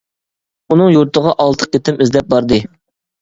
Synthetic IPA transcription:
unɨŋjuɾt̪ʰəʁɑʔɑlˠt̪ʰə̥q̚et̪ʰɪmɪzlɛp̚bɑɾd̪ɨ

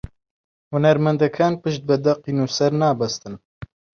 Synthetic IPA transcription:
hʊnɛɾmɛnd̪ɛkʰaːnpɨʃt̪̚bɛd̪ɐqinuːsɛɾnaːbɐst̪ɨn

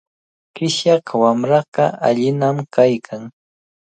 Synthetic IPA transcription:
kɪʃjaqwamɾɑɢɑʔaʎɪnamkajkʰaŋ

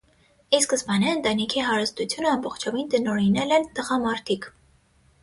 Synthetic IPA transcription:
iskəsbɑniənt̪ɑnikʰiɦɑɾəst̪ut͡sʰjunəɑmbɔχt͡ʃʰɔvint̪ənɔɾinɛlɛnt̪əʁɑmɑɾt̪ʰik

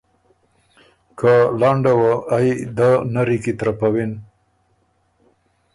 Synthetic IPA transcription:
kalaɳɖawaajd̪anaɾikit̪ɾapawin

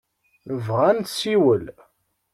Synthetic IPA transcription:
vʁænt̪siwəl

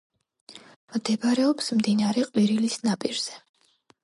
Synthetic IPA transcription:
md̪̥ɛbaɾɛɔpsmd̪inaɾɛqʼwiɾilisnapʼiɾz̥ɛ

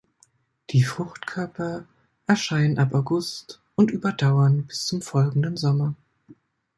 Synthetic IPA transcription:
d̥iːfʁ̥ʊxtkʰœɐpʰɐ | ʔɛɐʃaɪnənʔapaʊɡʊst | ʔʊntʔyːbɐdaʊɐnb̥ɪst͡sʊmfɔlɡŋ̩dənzɔmɐ

